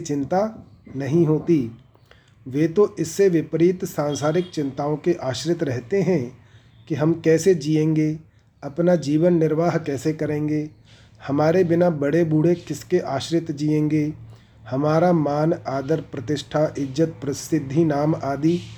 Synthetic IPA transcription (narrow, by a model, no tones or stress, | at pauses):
t͡ʃɪ̃nt̪a | nɐɦĩɦoːt̪i | ʋeːt̪oʔɪsːeʋɪpɾiːt̪sãːnsaːɾɪk̚t͡ʃɪ̃nt̪aːõkeʔaːʃɾɪt̪ɾɛɦt̪eɦɛ̃ | kiɦɐmkɛːsed͡ʒiːẽːŋɡe | ɐpnad͡ʒiːʋənːɪɾʋaːɦkɛːsekɐɾẽːŋɡe | hɐmaːɾebɪnabɐɽebuːɽ̤ekɪskeʔaːʃɾɪt̪d͡ʒiːẽːŋɡe | hɐmaːɾamaːnaːd̪əɾpɾɐt̪ɪʃʈʰaʔɪd͡ʒət̪̚pɾɐsɪd̪ʱːinaːmaːd̪iː